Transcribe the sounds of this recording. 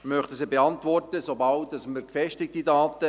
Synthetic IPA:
mœχtəsɪbeɑntʋɔrtəsobɑlt̚dɑsməɾkfɛʃtɪk̚tidaːtə

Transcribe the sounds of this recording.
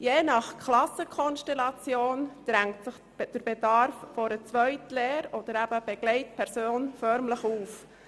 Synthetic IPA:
jeːnɑχkʰlɑsəkʰɔnʃtɛlɑt͡sjoːnd̪̥ɾæŋtsəχ | d̥əɾbedɑɾffɔɾət͡sʋœʏtleːɾɔd̥̪əɾæb̥əb̥ɛɡ̥lɛɪtpʰɛɾsoːnfœɾmləχuːf

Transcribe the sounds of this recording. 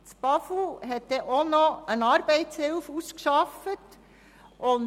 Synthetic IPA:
t͡sb̥ɑfuɦɛt̪ːeʔonɔənɑɾbɛɪtshɪlfuskʃɑfət | ʔʊn

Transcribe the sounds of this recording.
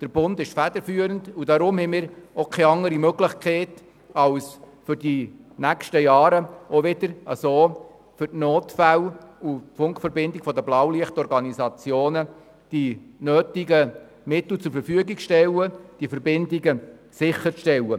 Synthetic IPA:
d̥əɾb̥ʊndɪʃfæd̥əfyːəɾəndudɑɾʊmhɛmɪːɾokʰɛɑŋəɾimøɡlɪχkχeːt | ɑls | fʏɾdinækʃtəjɑːɾəoʋɪdəɾə̰soː | fʏrtnoːtfælufʊŋkfəɾbɪndɪkfɔdəblɑwliəχtɔɾɡɑnisɑt͡sjoːnə | d̥inøːtiɡə | mɪt̪l̩t͡sʊɾfəɾfyəɡikʃtɛləd̥ifəɾbɪndiɡə | sɪχːəɾʃtɛlə

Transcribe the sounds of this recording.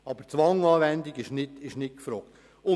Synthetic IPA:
ɑb̥əɾt͡sʋɑŋɑːʋænd̪iɡɪʃnɪtɪʃnɪt̚kfɾɔːkt̪ | ʊ

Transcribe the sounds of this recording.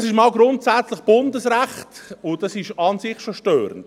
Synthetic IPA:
sɪʃmɑːlɡɾʊntsæt͡slɪχb̥ʊndəsɾæχtʊd̥ɑsɪʃɑnsɪχʃoʃtøːɾə̰nd̥

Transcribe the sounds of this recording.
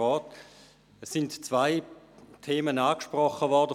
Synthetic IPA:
ɔːt | ɛsːɪntt͡svaɪ | tʰeːmənaːkʃpʁɔχəvɔʁdə

